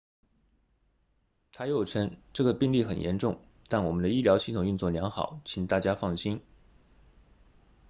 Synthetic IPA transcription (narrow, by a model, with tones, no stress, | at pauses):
t̪ʰa˥jɛ˧˥jʈ͡ʂʰə˥ŋʈ͡ʂɤ˥˩ɡə˩pi˥˧ŋli˥˩xə˨˩njɛ̰˧˥nʈ͡ʂʊ˥˩ŋ | t̪a˥˩nwɔ˨˩mə˦nd̪ə˧i˥˩ljɑ˧˥ʊɕi˥˩t̪ʰʊ˨˩ŋy˥˧nt͡swɔ˥˩ljɑ˧˥ŋxɑ˨˩˦ʊt͡ɕʰi˨˩ŋt̪a˥˩t͡ɕja˥fɑ˥˩ŋɕi˥n